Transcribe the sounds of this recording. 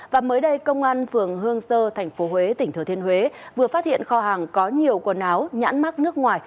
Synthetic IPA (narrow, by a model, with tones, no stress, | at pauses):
vaː˨˩məː˨˦jɗə˧jkə˧wŋ͡mʔaː˧nfɨ˨˩əŋɦɨ˧əŋsəː˧t̪ʰɛ˨˩jŋ̟fo˨˦hwe˨˦t̪ï˧˩ŋ̟t̪ɨ˧˩t̪ʰi˧ənhwe˨˦vɨ˨˩əfaː˦˥t̚hḭ˧˨ənxɔ˧ɦaː˨˩ŋkɔ˨˦ɲi˨˩əwkə˨˩nʔaː˨˦wɲa̰ː˧˥nma˦˥t̚nɨ˦˥ək̚ŋwaː˨˩j